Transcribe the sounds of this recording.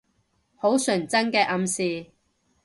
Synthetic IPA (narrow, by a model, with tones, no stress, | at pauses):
ho˨˥wsɵː˨˩ŋt͡sɐ˥nkɛː˧ʔɐ˧msiː˨˧